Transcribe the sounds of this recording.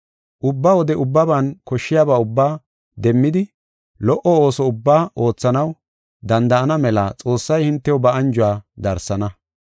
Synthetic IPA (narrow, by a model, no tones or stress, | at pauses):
ʔʊbːawɔd̪ɛʊbːɐbɐnkɔʃːɪjaːbaːʊbːaː | d̪ɛmːɪd̪ɪ | lɔʔɔo̞ːsɔʊbːaːʔo̞ːt͡sːɐnɐw | d̪ɐnd̪ɐʔːnɐmɛlɐt͡sʼo̞ːsːɐjhɪnt̪ːɛwɔbɐɐnd͡ʒʊwaːd̪ɐɾsːɐnɐ